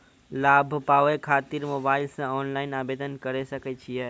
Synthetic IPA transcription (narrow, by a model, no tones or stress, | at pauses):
laːbʱpaːʋekʰaːt̪iɾmoːbaːɪlsẽɔːnlaːɪnaːbeːd̪ənkəɾesɐket͡ʃʰijɛ